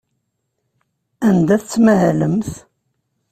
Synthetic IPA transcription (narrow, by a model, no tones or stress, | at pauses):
ænd̪æθət͡sːmæhæləmθ